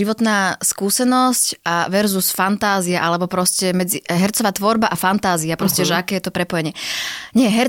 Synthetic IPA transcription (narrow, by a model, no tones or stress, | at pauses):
iʋɔt̪naːskuːsɛnɔscaʋɛɾzusfant̪aːziaʔalɛbɔpɾɔscɛmɛd͡ziɦɛɾt͡sɔʋaːt̪ʋɔɾbaʔafant̪aːziapɾɔscɛʒɛakɛːjɛt̪ɔpɾɛpɔjɛɲɪɛɲɪɛɦɛɾ